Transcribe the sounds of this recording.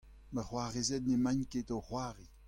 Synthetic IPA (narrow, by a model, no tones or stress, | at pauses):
məχwaʁezɛtnemãɲketoχwaːʁi